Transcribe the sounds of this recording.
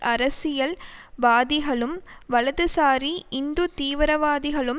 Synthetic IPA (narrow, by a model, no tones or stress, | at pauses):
ʔɐɾɐsɪjɐlʋaːðɪɣɐɭɯmʋɐɭɐðɯsaːɾiʔɪnd̪ɯt̪iːʋɪɾɐʋaːðɪɣɐɭɯm